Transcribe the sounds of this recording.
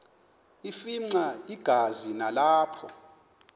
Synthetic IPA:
ifiŋ͡ǀaiɡ̥ʱazinalaːpʰɔ

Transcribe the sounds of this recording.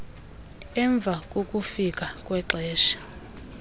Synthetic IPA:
ɛɱb̪vʱak̬ʼok̬ʼufik̬ʼak̬ʼwɛǁɛːʃḁ

